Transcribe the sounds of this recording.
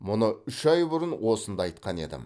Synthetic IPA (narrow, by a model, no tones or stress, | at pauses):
mʊnəʏʃɑjbʊɾənwo̞sənd̪ɑɑjt̪qɑne̞̰d̪ɪ̰m